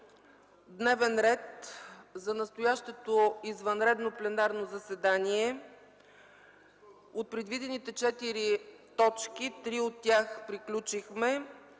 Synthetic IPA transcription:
d̪nɛvɛnɾɛt̪zɐnɐst̪ojaʃt̪ɛt̪oizvɐnɾɛd̪noplɛnaɾnozɐsɛd̪aniɛ | ot̪̚pɾɛd̪vid̪ɛnit̪ɛt͡ʃɛt̪iɾit̪ɔt͡ʃkit̪ɾiot̪ːʲjaxpɾiklʲut͡ʃixmɛ

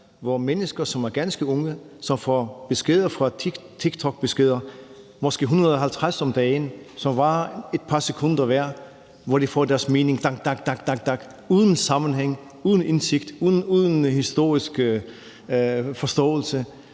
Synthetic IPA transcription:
ʋɒmenəsɡ̥ɐsɒ̽mæɐɡ̥ænsɡ̥əɔ̽ŋə | sɒ̽mfɒ̰b̥e̝sɡ̥e̝ð̞̰ˠɐfʁɑ̥̈t͡sʰiɡ̥t͡sʰɒ̽ɡ̥̚b̥e̝sɡ̥e̝ð̰ˠɐ | mɒsɡ̥e̝̰ːɦunɐðˠɒɦælt͡sʰʁasɒ̽md̥ɛːnsɒ̽mʋɑ̈e̝d̥̚pʰɑ̈sekʰɔ̽n̰d̥ɐʋæɐ̰ | ʋɒd̥ifɒd̥æɐsme̝ːne̝ŋd̥ɑ̈ɡ̥d̥ɑ̈ɡ̥̚d̥ɑ̈ɡ̥̚d̥ɑ̈ɡ̥̚d̥ɑ̈ɡ̥ | uːð̞ˠən̩sɑ̈mnɦeŋ̰ | uːð̞ˠn̩e̝nse̝ɡ̥d̥uðˠnuðˠn̩hisd̥o̝̰ɐ̰isɡ̥ | fɒ̽sd̥ɔ̰̽ːl̩sə

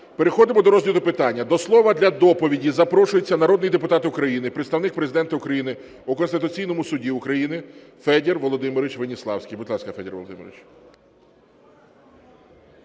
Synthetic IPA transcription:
pe̞ɾexɔd̪ɪmɔd̪ɔɾɔzʲlʲid̪ʊpɪt̪ɑnʲːɐd̪ɔslˠɔʋɐd̪lʲɐd̪ɔpɔʋʲidʲizɐpɾɔʃʊjet͡sʲːɐnɐɾɔd̪nɪjid̪epʊt̪ɑt̪ɪʊkɾɐjinɪpɾeɪt̪st̪ɐwnɪk̚pɾezɪd̪ɛnt̪ɐʊkɾɐjinɪ | ʊkɔnst̪ɪt̪ʊt͡sʲijnɔmʊsʊdʲiʊkɾɐjinɪfɛd̪ʲerʋɔlˠɔd̪ɪmɪɾɪt͡ʃʋenʲislˠɑwsʲkʲijbʊd̪ʲlˠɑskɐfɛdʲɛrʋɔ̰lˠɔd̪ɪ̰mḛɾʋɪt͡ʃ

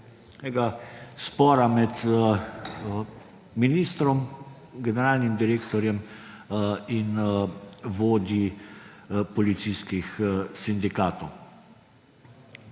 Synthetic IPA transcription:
ɛɡaspɔːɾamɛt̪ | miniːst̪ɾɔm | ɡɛnɛɾaːlnimd̪iɾeːkt̪ɔɾjɛm | in | ʋoːd̪i | pɔlit̪siskixsind̪ikaːt̪ɔw

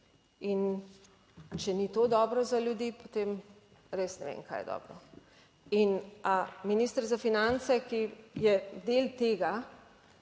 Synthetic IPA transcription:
in | t͡ʃɛnit̪od̪ɔːbɾɔzaljud̪iːpot̪eːm | ɾesnɛʋḛːŋka̰jɛ̰d̪ɔ̰ːbɾɔ | inaminist̪əɾzafinansɛkijɛd̪elt̪eːɡa

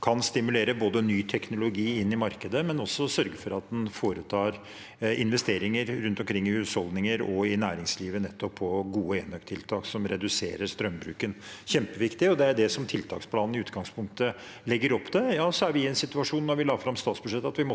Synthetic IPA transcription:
kʰɑnst̪ɪmʉleːɾəboːd̪ənyːt̪ʰɛknʊlʊɡiːɪnːɪmɑɾkəd̪əmɛnɔsːɔsœɾɡəfɔɾɑt̪̚d̪ɛnfoːɾət̪ʰɑːɾ | ɪnʋɛst̪eːɾɪŋəɾɾʉnt̪ɔmkʰɾɪŋːɪhʉːshɔld̪nɪŋəɾɔɪnæːɾɪŋsliːʋənɛt̪ʰːɔpʰːɔɡuːəeːnœkt̪ʰːɪlt̪ʰɑːksɔmɾɛd̪ʉsḛːɾəɾst̪ɾœmbɾʉːkənçɛmpəʋɪkt̪ɪɔd̪ɛæɖɛsɔmt̪ʰɪlt̪ʰɑ̰ːkspʰlɑːnn̩ɪʉːt̪ɡɑŋspʰʊŋkt̪ə | lɛɡːəɾɔpːd̪ɛjɑːsɔæɾʋɪɛnsɪt̪ʉɑʂuːnːɔɾʋɪlɑːfɾɑmst̪ɑːt̪sbʉʂɛt̪ːɑt̪ʋɪmɔ

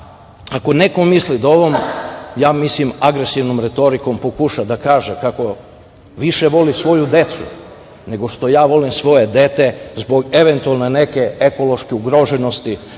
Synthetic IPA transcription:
ako̞ne̞ko̞mislid̪oʋomjaːmislimaɡɾesiʋnomɾet̪o̞ɾiko̞mpokuʃad̪akaːʒekako̞ | ʋiʃe̞ʋo̞lisʋo̞jud̪e̞t̪sṵ | ne̞ɡo̞ʃt̪o̞jaːʋo̞limsʋo̞je̞d̪e̞t̪e̞zbo̞ɡe̞ʋe̞nt̪ualˠnene̞ke̞eko̞lo̞ʃkeuɡɾoʒeno̞st̪i

